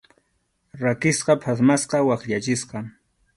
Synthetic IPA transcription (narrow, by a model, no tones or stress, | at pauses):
ɾakɪsqɑpʰas̬masqɑwaχʎat͡ʃɪsqɑ